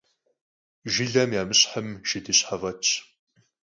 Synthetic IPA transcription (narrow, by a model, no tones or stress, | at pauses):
ʒɪɮɐmjaːmɨɕʼħəmʃɪdɨɕħavɐt͡ʃʰ